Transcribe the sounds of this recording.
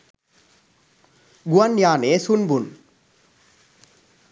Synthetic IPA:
ɡuanjaːnesunbun

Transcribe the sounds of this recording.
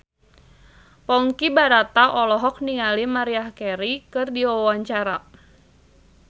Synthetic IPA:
pɔŋkibaɾat̪aʔɔlɔɦɔk̚niŋalimaɾiahkɛɾikɨrdiwawaɲt͡ʃaɾa

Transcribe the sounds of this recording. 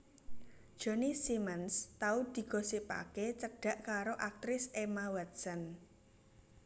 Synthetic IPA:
d̥ʒ̥ɔ̤nisimənst̪aud̪̥i̤ɡ̥ɔ̤sipa̰ket͡ʃək̚ɖ̥a̤ʔkaɾoʔak̚t̪ɾɪsʔemawɛt̪̚sən

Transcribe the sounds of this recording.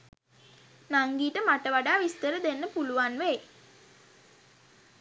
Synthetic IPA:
naŋɡiːʈəmaʈəʋaɖaːʋist̪əɾəd̪enːəpuluʋanʋɛj

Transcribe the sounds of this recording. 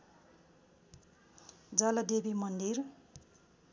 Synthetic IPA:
d͡zʌlʌd̪ebimʌnd̪ir

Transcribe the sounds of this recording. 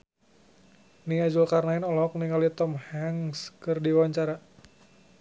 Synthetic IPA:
niad͡ʒulkarnaɪnɔlɔk̚niŋalit̪ɔmhaŋskɨrdiwaaɲt͡ʃaɾa

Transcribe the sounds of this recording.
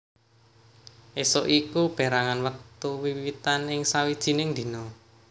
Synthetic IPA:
ʔesoʔikub̥e̤ɾaŋanwək̚t̪uwiwit̪anɪŋsawid̥ʒ̥i̤nɪŋd̪̥i̤nɔ

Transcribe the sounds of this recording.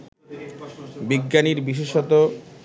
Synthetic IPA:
biɡːaniɾbiʃeʃɔt̪o

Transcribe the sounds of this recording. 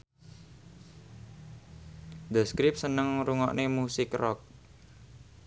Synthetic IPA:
d̪əskɾɪp̚sənəŋɾuŋɔ̰ʔnʔemusɪkrɔk̚

